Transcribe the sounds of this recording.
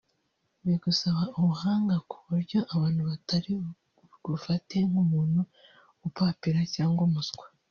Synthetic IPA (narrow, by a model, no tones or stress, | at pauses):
βiɡusaβaʔuβuhaːŋɡakʰuβuɾɟo̞ʔaβaːnhuβataɾi | ɡufate̞ŋumuːn̥hu | ɡupapiɾacaːŋɡomusɡwe̥